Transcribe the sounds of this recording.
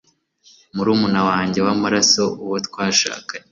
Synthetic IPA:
muɾuːmunawaːɲɟe̞wamaɾaso̞uwotkwaːʃa̰ːka

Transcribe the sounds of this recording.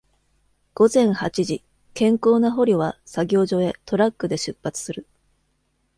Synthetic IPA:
ɡ̥o̞zẽ̞ɰ̃hat͡ɕiʑi | kẽ̞ŋko̞ːnaɦo̞ɾʲoβasaɡʲo̞ːʑo̞e̞t̪ʰo̞ɾakːɯ̟d̪e̞ɕɨpːat͡sɨ̥sɨɾɯ̟

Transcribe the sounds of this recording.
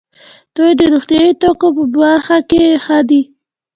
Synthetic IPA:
d̪̥ojd̪əɾoxt̪jɑjit̪okopəbaɾxakexəd̪i

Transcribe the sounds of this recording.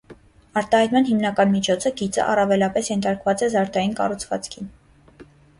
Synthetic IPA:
ɑɾt̪ɑhɑjt̪mɑnɦimnɑkɑnmit͡ʃʰɔt͡sʰəɡit͡sə̰ʔɑ̰rɑvɛlɑpɛsjɛnt̪ʰɑɾkvɑt͡sɛzɑɾt̪ɑjinkɑ̰rut͡sʰvɑ̰t͡skʰin

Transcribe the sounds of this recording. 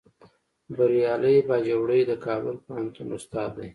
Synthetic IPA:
baɾjɑləjbɑd͡ʒawɽəjd̪əkɑbəlpəhant̪unʊst̪ɑd̪ːaj

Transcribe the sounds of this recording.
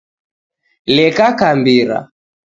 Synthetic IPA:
lɛkakambiɾa̰

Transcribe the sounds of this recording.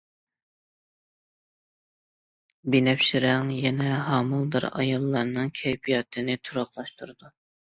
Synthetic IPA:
binɛpʃiɾɛŋjɛnɛɦɑːmɨlˠd̪ɨ̰ɾɑ̰jɑlˠːɑɾnɨŋkʲʰɛjpʰijɑt̪ʰɨnɪt̪ʰuɾɑχlˠɑʃt̪uɾd̪u

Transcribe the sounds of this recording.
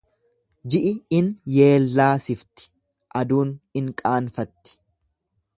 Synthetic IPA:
d͡ʒɪʔɪɪnje̞ːlːaːsɪft̪ɪ̥ | ʔɐd̪uːnɪŋkʼaːnfɐt̪ːɪ̥

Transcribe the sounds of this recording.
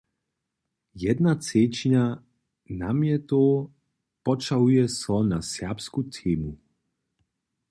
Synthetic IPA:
jɛd̪nat̪seːt͡ʃiɲa | namjɛt̪oː | pɔt͡ʃaujɛsɔnasjapskut̪ʰeːmu

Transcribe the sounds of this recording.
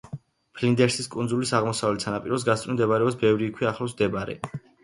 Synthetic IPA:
pʰlind̪ɛɾsiskʼunzulisaʁmɔsavlɛt̪sʰanapʼiɾɔs̬ɡat̪st̪ʼimd̪ɛbaɾɛbs̬bɛvɾiːkʰwiaχlˠɔsmd̪ɛbaɾɛ̰

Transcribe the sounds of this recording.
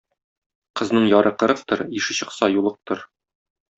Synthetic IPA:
qɤ̆znɤɴjɒɾɤqɤ̆ɾɤ̆q̚t̪ɤɾiʃɘ̆ɕɤ̆qsɑjulˠɤq̚t̪ɤɾ

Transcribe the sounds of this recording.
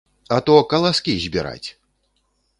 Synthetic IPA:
ɐt̪ɔkɐlˠaskʲizʲbʲiɾa̰t͡sʲ

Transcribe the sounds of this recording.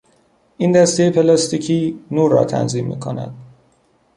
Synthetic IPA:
ʔiːnd̪æst̪ejepʰe̞lɑst̪icʰiːnuːɾːɒ̰ːt̪ʰæ̰nziːmːḭːkʰo̞næ̰d̪̥

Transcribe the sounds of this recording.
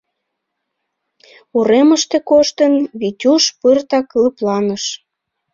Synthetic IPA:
uɾeməʃt̪ekoʃt̪ənβitʲuʃpərt̪ɑkləplɑnəʃ

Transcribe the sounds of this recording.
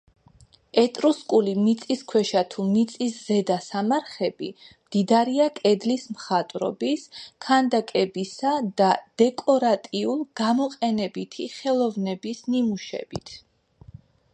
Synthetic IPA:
ɛt̪ʼɾuskʼulimit̪sʼiskʰwɛʃat̪ʰumit̪sʼiszɛd̪asamaɾχɛbimd̪̥id̪aɾiakʼɛd̪lismχat̪ʼɾɔ̰biskʰand̪akʼɛbisad̪ad̪̥ɛkʼɔɾat̪ʼiulˠɡ̥amɔqʼɛnɛbit̪ʰiχɛlˠɔvnɛbisnimuʃɛ̰bḭt̪ʰ

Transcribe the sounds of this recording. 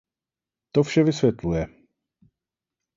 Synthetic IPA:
t̪ofʃɛvɪsvjɛt̪lujɛ

